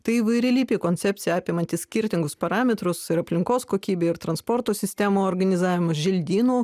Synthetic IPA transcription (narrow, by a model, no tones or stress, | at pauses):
t̪ɐɪiːʋɐɪɾʲɪlʲiːpʲeːkoːnʲtsʲɛp̪ʲsʲɪjɛɑːpʲemɐnʲt̪ʲɪssʲkʲɪɾʲt̪ʲɪŋɡʊspɐɾɑːmʲɛt̪ɾʊsɪɾɐpʲlʲɪŋkoːskoːkʲiːbʲeːɪɾt̪ɾɐnspoːɾt̪oːsʲɪsʲt̪ʲæmoːoːɾɡɐnʲɪzɑːʋʲɪmɐʒʲɪlʲd̪ʲiːnuː